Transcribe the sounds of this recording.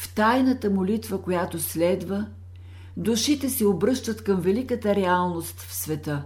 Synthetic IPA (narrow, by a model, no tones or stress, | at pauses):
ft̪ajnət̪əmolit̪vəkojat̪oslɛd̪və | d̪uʃit̪ɛsɛobɾɤʃt̪ət̪kəmvɛlikət̪əɾɛalˠnost̪fsvɛt̪ə